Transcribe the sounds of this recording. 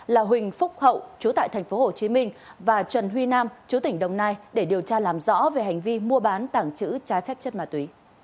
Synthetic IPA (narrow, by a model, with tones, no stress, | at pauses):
laː˨˩ɦwï˨˩ŋ̟fʊ˦˥k͡p̚hə̰˧˨wʔt͡ɕu˨˦t̪a̰ː˧˨jt̪ʰɛ˨˩ŋ̟fo˨˦ho˨˩t͡ɕi˨˦mï˧ŋ̟vaː˨˩t͡ɕwə˨˩nɦwi˧naː˧mt͡ɕu˨˦t̪ï˧˩ŋ̟ɗə˨˩wŋ͡mnaː˧jɗe˧˩ɗi˨˩əwt͡ɕaː˧laː˨˩mzɔ̰˧˥ve˨˩ɦa˨˩jŋ̟vi˧mu˧əɓaː˨˦nt̪aː˧˩ŋt͡ɕɨ̰˧˥t͡ɕaː˨˦jfɛ˦˥p̚t͡ɕə˦˥t̚maː˧˩t̪wi˨˦